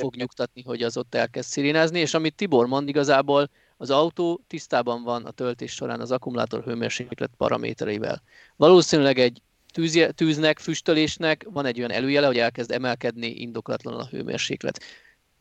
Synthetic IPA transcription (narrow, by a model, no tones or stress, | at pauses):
fo̞ɡɲukt̪ɒt̪̚niɦo̞ɟɒzo̞t̪ːɛlkɛst̪siɾiːnaːznieːʃɒmit̪ːibo̞rmond̪iɡɒzaːboːl | ɒzɒwt̪oːt̪ist̪aːbɒɱvɒnɒ̰t̪ølt̪eːʃʃo̞ɾa̰ːnɒzɒkumula̰ːt̪o̞̰rɦøːmḛːrʃeklɛ̰t̪̚pɒ̰ɾɒ̰mʔḛːt̪ɛɾɛjivɛ̰l | vɒloːsinylɛɡɛɟ | t̪yːzɛt̪yːznɛkfyʃt̪øleːʃnɛkvɒnɛɟojɒnʔɛ̰løːjɛlɛɦo̞ɟɛlkɛzd̪ɛmɛlkɛd̪niʔḭnd̪o̞klɒ̰t̪lɒn̰nɒɦhø̰ːmḛːrʃḛːklɛ̰t̪